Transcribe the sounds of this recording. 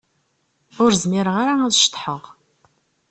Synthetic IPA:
ʊɾzmɪɾəʁaɾaŋæðʃt̪ːħəʁ

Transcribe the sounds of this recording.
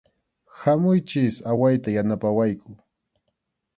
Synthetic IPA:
hamʊjt͡ʃɪsawajt̪ajanapawajkʰʊ

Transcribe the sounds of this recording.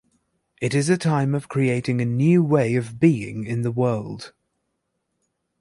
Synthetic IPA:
ʔɪɾɪzɨtʰãɪ̃məv̥kʰɹ̥ieɪtɪ̃ŋɨnjʉːweɪəvbiːɪ̰̃ŋɪ̃nðəwɜːlˠd̥

